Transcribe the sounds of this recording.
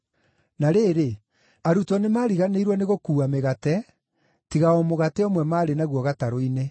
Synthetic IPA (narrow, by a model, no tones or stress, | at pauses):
naɾeːɾe | aɾutɔnemaːɾiɣaneiɾwɔneɣokuːameɣatɛ | tiɣaomoɣateɔmwɛmaːɾenaɣwɔɣataɾoine